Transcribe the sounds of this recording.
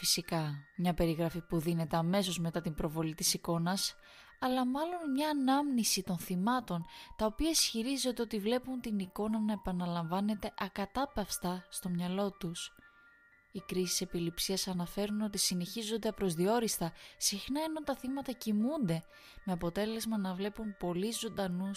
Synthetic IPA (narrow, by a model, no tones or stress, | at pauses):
fisikɐmɲɐpe̞ɾiɣɾɐfipuðine̞t̪e̞ɐme̞so̞zme̞t̪ɐt̪imbɾo̞vo̞lit̪isiko̞nɐs | ɐlɐmɐlo̞nmɲɐːnɐmnisit̪o̞nθimɐt̪o̞nt̪ɐopiɐisçiɾizo̞nd̪eot̪ivle̞punt̪iniko̞nɐnɐepɐnɐlɐɱvɐne̞t̪e̞ʔɐkɐt̪ɐpɐfst̪ɐst̪o̞mɲɐlo̞t̪us | ikɾisi̥se̞pilipsiɐsɐnɐfe̞ɾuno̞t̪isine̞çizo̞nd̪e̞ɐpɾo̞zðio̞ɾist̪ɐsixnɐeno̞t̪ɐθimɐt̪ɐcimund̪e̞ | me̞ɐpo̞t̪e̞le̞zmɐnɐvle̞pumpo̞lizond̪ɐnus